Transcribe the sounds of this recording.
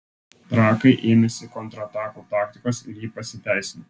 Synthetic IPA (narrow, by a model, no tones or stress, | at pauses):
t̪ɾɑːkɐɪʔeːmʲɛsʲɪkɔnt̪ɾɐt̪ɑːkuːt̪ɑːkt̪ʲɪkoːsɪɾjiːpɐsʲɪt̪ʲæˑɪsʲɪno